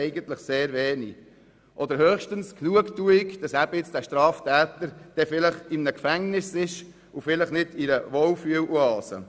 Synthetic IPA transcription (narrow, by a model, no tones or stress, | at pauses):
ɛɪɡənt̪ləχseːɾʋeːnḭ | ʔɔd̪əɾhœːχʃtənsknuəktuɪkd̥ɑsæb̥əɪt͡sd̥æʃtɾɑːft̪æːt̪əɾd̥ɛfɪləχɪmnəkfæŋnɪsɪʃ | ufɪləχnɪdiɾəʋɔlfyəluɑːsə̰